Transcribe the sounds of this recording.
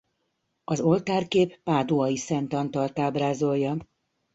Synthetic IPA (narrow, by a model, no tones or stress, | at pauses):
ɒzo̞lt̪aːrkeːpːaːd̪oɒjisɛnt̪ɒnt̪ɒlt̪aːbraːzo̞lːɒ